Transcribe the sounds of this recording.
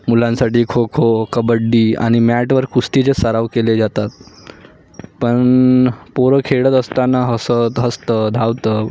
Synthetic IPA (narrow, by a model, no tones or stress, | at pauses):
mulãnsaʈiːkʰokʰokəbəɖːiːa̰ɽ̃imæʈʋəɾkust̪it͡ɕesəɾaʋkeled͡zat̪at̪̚ | pəɳpoɾəkʰeɽət̪əst̪anaɦəsət̪ɦəst̪əd̪ʱaʋt̪əː